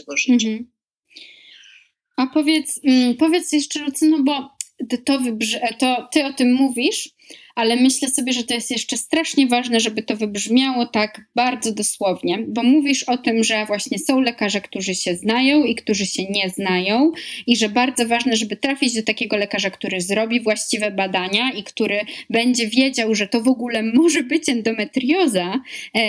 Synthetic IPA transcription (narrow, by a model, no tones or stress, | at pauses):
apɔvʲjɛt̪s̩pɔvʲjɛt̪sjɛʂt͡ʂɛɾɔt̪sɔnɔbɔt̪ɔvɨbʐt̪ɔt̪ɘɔt̪ɘmːuvʲiʂ | ʔalɛmɘɕlɛsɔbʲjɛʐɛt̪ɔjɛst̪jɛʂt͡ʂɛst̪ɾaʂɲɛvaʐnɛʐɛbɘt̪ɔvɘbʐmʲjawɔt̪aɡbaɾd̪zɔd̪ɔswɔvɲɛbɔmuvʲiʂɔt̪ɘmʐɛvwaɕɲɛsɔ̃w̃lɛkaʐɛkt̪uʐɘɕɛznajɔ̃w̃ikt̪uʐɘɕɛɲɛznajɔ̃w̃iʐɛbaɾd̪zɔvaʐnɛʐɛbɘt̪ɾafʲid͡ʑd̪ɔt̪akʲɛɡɔlɛkaʐakt̪uɾɘzɾɔbʲivwaɕt͡ɕivɛbad̪aɲaikt̪uɾɘbɛɲd͡ʑɛvʲjed͡ʑawʐɛt̪ɔvɔɡulɛmɔʐɛbɘt͡ɕɛnd̪ɔmɛt̪ɾjɔza